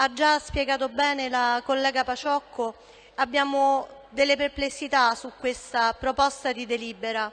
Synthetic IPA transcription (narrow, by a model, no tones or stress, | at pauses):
ad͡ʒːaspjeɡaːt̪obɛːnelakolːɛːɡapat͡ʃɔkʰːo | abːjaːmo | d̪elːeperplesːit̪asukːwest̪apɾopɔst̪ad̪id̪eliːbeɾa